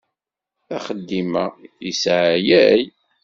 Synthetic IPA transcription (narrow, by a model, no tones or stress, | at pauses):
æχəd̪ːimæjisʕjæj